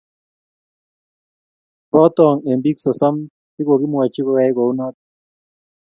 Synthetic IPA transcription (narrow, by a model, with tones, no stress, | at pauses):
bɔ˦tɔ˨ŋe˨mbi˦ksɔ˨sa˦m | ɪ˦ko˨kɪ˦mwa˨t͡ʃɪ˦kɔ˦ka˨˦ɪ˦ko˨u˦nɔ˦t̚